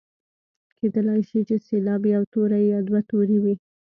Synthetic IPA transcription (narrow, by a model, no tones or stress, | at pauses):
kʰed̪əlajʃit͡ʃeselɑbjawt̪oɾajɑd̪wat̪oɾiwi